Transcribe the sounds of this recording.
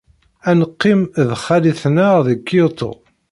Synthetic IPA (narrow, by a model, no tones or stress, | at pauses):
ænəqːimðχæliθnaðəkːt̪ʰˤo̰